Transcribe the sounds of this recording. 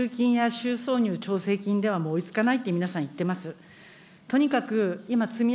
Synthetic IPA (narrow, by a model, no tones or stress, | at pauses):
ɨːkʲĩɰ̃jaɕɨːso̞ːɲ̟ʲɨːt͡ɕo̞ːse̞ːkʲĩnd̪e̞βamo̞ːit͡sɨ̥kanait̪ːeminasãɰ̃it̪ːe̞masɨ | t̪o̞ɲ̟ikakɯ̟imat͡sɨmʲi